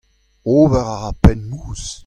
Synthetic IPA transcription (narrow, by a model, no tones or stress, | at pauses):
oːvɛʁaʁapɛnmuːs